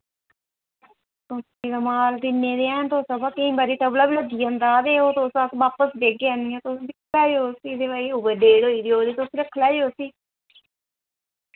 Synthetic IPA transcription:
t̪osiːɡamaːld̪ɪnːẽːd̪eːɛːnt̪oːsabaːkəĩːbaɾiːʈəblaːbiːləd̪ijãːnd̪aːd̪eːoːt̪oːsasʋaːpəsbeːɡeãːniːãːt̪osbɪkʰlɛːoːsiːd̪eːʋaːiːʊbəɖeːɽoːiːd̪iːoːɾiːt̪osɾɪkʰlɛːeoːsiː

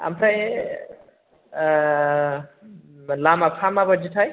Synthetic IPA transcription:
a̰mraj | lamapʰamabʌd͡ʒiʈ̪ʰʌj

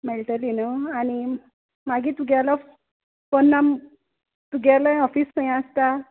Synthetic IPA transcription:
melʈəlinoani | maɡĩt̪uɡalaf | pɔnːam | t̪uɡʱalaɔfiskəj̃ãəst̪a

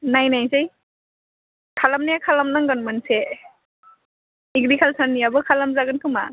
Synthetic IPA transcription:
najnajsej | kʰalamnijakʰalamnaŋɡɔnmɯnse | iɡdikʰalsanːiabɯkʰalamzaɡɯnkʰɯma̰

